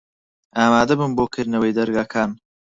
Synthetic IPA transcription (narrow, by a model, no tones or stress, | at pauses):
aːmaːd̪ɐbɨmboːkʰɨɾnɐwəjd̪ɐɾɡaːkʰaːn